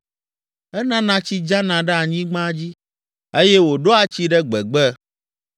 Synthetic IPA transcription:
ɛ˦nã˦nã˨t͡ɕi˦d͡ʒã˦nã˨ɖɛ˦a˨ɲĩ˦ɡ͡bã˦d͡ʑi˦ | e˦jɛ˦wo˨ɖo˦a˨t͡ɕi˦ɖɛ˦ɡ͡bɛ˨ɡ͡bɛ˦

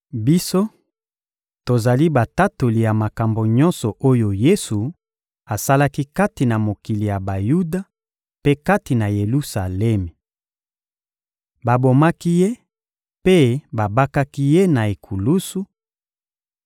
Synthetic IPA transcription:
bi˦so˦ | to˨za˨li˦ba˨ta˦to˨li˨ja˨ma˨ka˨mbo˨ɲɔ̃˦nsɔ˨ʔo˦jo˨je˦su˨ | a˨sa˦la˦ki˦ka˦ti˨na˨mo˨ki˨li˨ja˨ba˨ju˦da˨ | pe˦ka˦ti˨na˨je˨lu˦sa˨lɛ˦me˨ | ba˨bo˨ma˦ki˦je˦ | pe˦ba˨ba˦ka˦ki˦je˦na˨e˨kʰu˨lu˦su˦

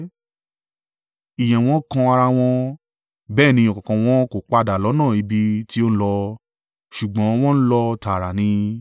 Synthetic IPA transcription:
i˨j̃ɛ̃˨w̃ɔ̃˦kã˧a˧ɾa˧w̃ɔ̃˧ | bɛː˦˨nĩ˧ɔ̃˨kɔ̃˨kã˨w̃ɔ̃˦ko˨k͡pa˧da˨lɔ˨˦nãː˦˨i˨˧bi˧ti˦o˦ñ̩˦lɔ˧ | ʃu˨ɡ͡bɔ̃˨˦w̃ɔ̃˦n̩˦lɔ˧ta˨ɾa˨nĩ˧

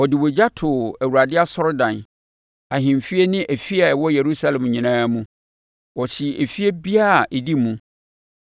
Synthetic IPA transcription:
ɔ˨dɪ˨wo˨d͡ʑa˦tʰʊ˨æ˨wu˨ɾa˨dɪ˦a˦sɔ˦ɾdã˨n | a˨ɦɪ̃˨m˨fi˦e˦nɪ̃˦ʔæ˨fi˦a˨ɛ˨wɔ˦je˨ɾu˦sa˦lɛ̃˨mɲĩ˨nãː˦mũ˦ | wɔ˨ɕɪ˨æ˨fi˦e˦bi˦a˦˨ʔɛ˨di˦mũ˦

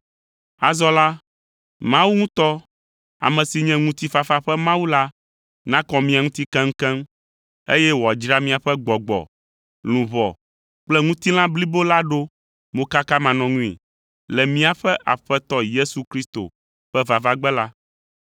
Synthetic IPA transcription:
a˨zɔ˦la˦ | mã˦wu˦ŋũ˦t̪ɔ˦ | a̰˨mɛ̃˨si˨ɲɛ̃˦ŋũ˦t̪i˦fa˨fa˦ɸɛ˦mã˦wu˦la˦ | nã˦kɔ˨mĩ˦ã˨ŋũ˦t̪i˦kɛ̃˦ŋ̩˦kɛ̃˦m | e˦jɛ˦wɔ˨a˨d͡ʒɾa˦mĩ˦a˨ɸɛ˦ɡ͡bɔ˨ɡ͡bɔ̰˨ | lũ˨βɔ˨ | k͡plɛ˦ŋũ˦t̪i˦lã˦bli˦bo˦la˦ɖo˦ | mõ˦ka˦ka˦mã˨nɔ̃˨ŋũ˦ḭ˨ | lɛ˨mĩ˦a˨ɸɛ˦ʔa˨ɸɛ˦t̪ɔ˦je˦su˨kɾi˦st̪o̰˨ | ɸɛ˦va˨va˦ɡ͡bɛ˦la˦

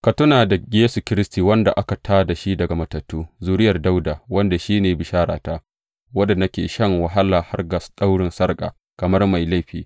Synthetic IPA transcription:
kɐ˨tʊ˦naː˨da˨jeː˦su˨kʲɪ˦ɾɪ˦stiː˨wɐ˦nda̰˨ʔa˦ka˨tʰaː˦da˨ʃi˦dɐ˨ɡa˨mɐ˨tɐ˨tːuː˦zuː˦ɾɪ˦jɐ˨rda˦wdaː˨wɐ˦nda˨ʃiː˦neː˨bɪ˨ʃaː˦ɾa̰ː˨taː˦ | wɐ˦da˨nɐ˦kʲḛː˨ʃɐ˦ŋwɐ˨ɦa˦laː˨ha˦rɡɐ˨sɗa˦wɽɪ˨nsɐ˦rkʼa̰ː˨ | kɐ˨mɐ˦rma˨jla˦jɸḭː˨

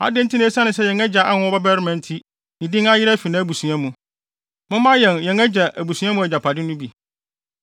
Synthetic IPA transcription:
a̰˨dɪ̃˦n˦tʰi˦ñː˦sã˦nɪ̃˨sɛ˦jɛ̃˨ŋɛ˦d͡ʑa˨ʔa˦hʊ̃˦ɔ˦bɛ˦bɛ˦ɾɪ˦mɛ̃˨n˦tʰi˦ | nɪ̃˨dɪ̃˦ŋa˦jɪ˦ɾæ˦fi˨nã˦bu˨su˨a˦mũ˨ | mʊ̃˦mã˦jɛ̃˨njɛ̃˨ŋɛ˦d͡ʑɛ˨ʔæ˨bu˨su˨˦ã˦mũ˦æ˨d͡ʑa˨pʰa˨dɪ˦nʊ̃˦bi˨

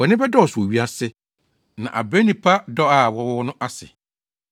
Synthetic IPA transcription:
wɔ˨nɪ̃˦bɛ˦dɔ˦ɔ˨sɔ˨ɥi˦a˦sɪ˦ | nã̰˨ʔa̰˨be˦nĩ˨pʰa˦dɔ˦a˨wɔ˦wɔ˦wɔ˦nʊ̃˦ʔa˦sɪ˨

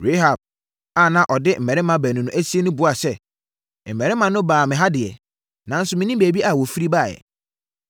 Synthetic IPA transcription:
ɾe˦ɦa˨b̚ | a˨nã˨ʔɔ˨dɪ˦m̩˨mɛ˨ɾɪ˦mã˦bæ˨nũ˨nʊ̃˦ʔæ˦si˦e˦nʊ̃˦bʊ˨˦a˨sɛ˦ | m̩˨ɛ˨ɾɪ˦mã˨nʊ̃˦baː˨mɪ̃˨ɦa˦dɪ˨ɛ̰˨ | nã˨n̩˦sʊ˦mɪ̃˨nĩ˦mbeː˨bi˦ʔa˨wɔ˨fi˦ɾi˦ba˦˨jɛ̰˨

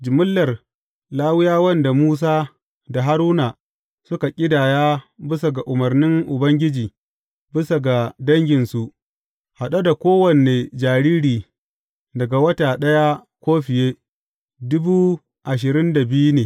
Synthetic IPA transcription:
d͡ʒɪ˨mʊ˦lːɐ˨r | laː˦wʊ˦jaː˦wɐ˦nda˨muː˦s̬aː˦ | da˨ɦa˦ɾuː˦na˨ | sʊ˦ka˨kʲʼɪ˦daː˨jaː˦bɪ˦sa˨ɡa˨ʔʊ˨mɐ˨rnɪ˦ŋʔʊ˨bɐ˦ŋɡʲɪ˦d͡ʒiː˨ | bɪ˦sa˨ɡa˨dɐ˦ŋɡʲɪ˨nsu˨ʔ | ha˨ɗa˦da˨kʷoː˦wɐ˨ne˨d͡ʒaː˨ɾiː˦ɽiː˨ | dɐ˨ɡa˨wɐ˦taː˨ɗɐ˦ja˦kʷoː˦ɸɪ˨jeː˦ | dʊ˦buː˦ | ʔa˨ʃ̬ɪ˨ɾɪ˦nda˨bɪ˦ju˦neː˨

